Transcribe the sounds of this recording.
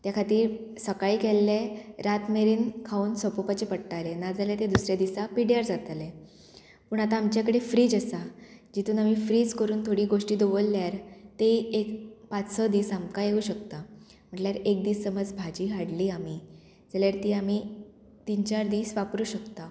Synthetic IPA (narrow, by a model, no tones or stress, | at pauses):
t̪jakʰat̪iːɾsəkaikelːeɾat̪meɾiːnkʰauːnsɔpopat͡ɕepəɽʈalenad͡zalet̪ed̪usɾjad̪isapiɽjaɾd͡zat̪le | puːɳat̪aːmt͡ɕjakəɽefɾiːd͡zəsad͡ʑit̪uːnamifɾiːd͡zkəɾuːnt̪ʰoɽiːɡoʂʈiːd̪oʋəlːjaɾt̪eekpat͡ssɔd̪iːsamkajeuːɕəkt̪a | m̤əɳʈljaɾek̚d̪iːssəməd͡zbʱad͡ʑiːɦaɽliːami | d͡zaljaɾt̪iːami | t̪int͡ɕaɾd̪iːsʋapɾuːɕəkt̪a